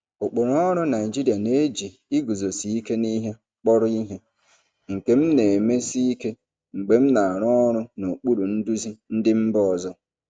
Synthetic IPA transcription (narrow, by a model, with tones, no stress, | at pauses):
o˨k͡po˨ɾɔ˦ɾʊ˦na˨ɪ˨d͡ʒi˦ɾi˨a˨ne˦e˦d͡ʒi˨ | i˦ɡu˨zo˨si˨˦i˦ke˦ni˦ɦe˦ | k͡pɔ˦ɾʊ˦i˦ɦe˦ | ŋ̩˨ke˦m̩˦ne˨me˦si˦i˦ke˦ | ŋ͡m̩˨ɡ͡be˨m̩˦na˨a˨ɾɔ˦ɾʊ˦no˨k͡pu˦ɾu˨n̩˦du˦zi˦n̩˦dɪ˦m̩˦bɔ˦ɔ˨zɔ˦